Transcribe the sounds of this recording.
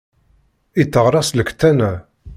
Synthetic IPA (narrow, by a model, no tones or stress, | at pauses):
it̪ːəʁɾˤɑsləkːt̪ːænæ